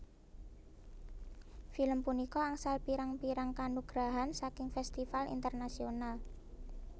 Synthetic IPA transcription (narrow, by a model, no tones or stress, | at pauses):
filəmpunikɔaŋsalpiɾaŋpiɾaŋkanuɡ̥ɾaɦansakɪŋfɛst̪ifalḭnt̪ərnasional